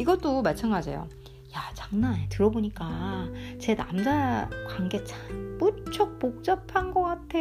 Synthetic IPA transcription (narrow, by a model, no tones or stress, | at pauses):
iɡʌt͈omat͡ɕʰanɡad͡ʑḛjo̰ | jat͡ɕaŋnanetɯɾʌboɲik͈at͡ɕe̞na̰md͡ʑakaŋɡe̞t͡ɕʰap͈ut͡ɕʰok̚pok̚t͡ɕ͈ʌpʰanɡʌk͈atʰe̞